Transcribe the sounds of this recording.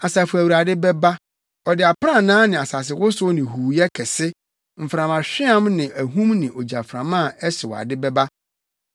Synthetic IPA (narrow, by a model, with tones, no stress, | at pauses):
a˨sa˨fʊ˨æ˨wu˨ɾa˨dɪ˦bɛ˦ba˦ | ɔ˨dɪ˨a˨pʰɾã˦˨nãː˦nɪ̃˨a˨sa˨s̬ɪ˨wʊ˦sʊ˦nɪ̃˨huː˨jɛ˦kʰɛ˨sɪ˦ | m̩˨fɾã˨mã˨ɕᶣɪ˦ã˦mnɪ̃˨ʔæ˨ɦũ˦mnɪ̃˨ʔɔ˨d͡ʑa˨fɾã˨mã˦˨ɛ˦sɪ˨wɔ̰˨a̰˨dɪ˦bɛ˦ba˦